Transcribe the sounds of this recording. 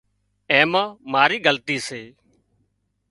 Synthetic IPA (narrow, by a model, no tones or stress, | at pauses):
ẽːməːmaːɾiːɡəlt̪iːseː